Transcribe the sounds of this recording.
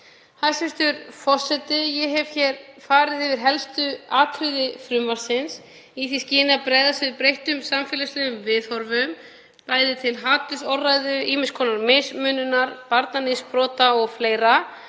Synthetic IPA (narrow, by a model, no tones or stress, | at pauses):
hasɛst̪ʏɾfɔ̥sɛt̪ɪjɛɦɛv̥çɛɾfaːɾɪðɪvɪɾ̥ɦɛlst̪ʏaːt̪ʰɾʏðɪfɾʏmvaɾ̥sɪns | iθiscɪːnapɾɛːjðasvɪðpɾejht̪ʏmsamfɛːlaslɛɣʏmvɪðhɔɾvʏm | paːjðɪt̪ʰɪlɦaːt̪ʏsɔwrajðʏiːmɪnskʰɔːnaɾmejsmʏnʏnaɾpaɾt̪nanɪspɾɔːt̪aɔɣfleːjɾa